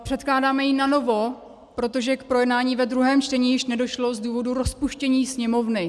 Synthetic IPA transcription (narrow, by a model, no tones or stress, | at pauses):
pr̥ɛt̪klaːdaːmɛjɪnano̞vo̞ | pɾo̞t̪o̞ʒɛkpɾo̞jɛdnaːɲiːvɛd̪ɾuɦɛːmt͡ʃtɛɲiːjɪʃnɛdo̞ʃlo̞zduːvo̞duɾospuʃcɛɲiːsɲɛmo̞vnɪ